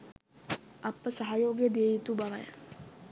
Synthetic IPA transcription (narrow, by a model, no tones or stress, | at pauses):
ɐpːəsaɦajoːɡjəd̪ijəjit̪ubaʋaj